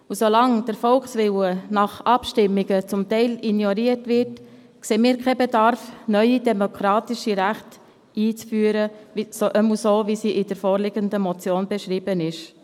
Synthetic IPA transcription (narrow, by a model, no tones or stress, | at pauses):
usolɑŋd̥əɾfɔlksʋɪwənɑχʔɑpʃtɪmːiɡ̥ət͡sʊmtɛɪlinjɔɾiəɾtvɪɾt | kseːmiːɾkʰɛbedɑɾfnœʏidɛmokʰɾɑːtiʃiɾæχt | iːt͡sfyːəɾəisoʔəmusoːvisiʔɪdəɾfoːɾlɪɡəndəmɔt͡sjoːnbɛʃɾiːb̥ənɪʃ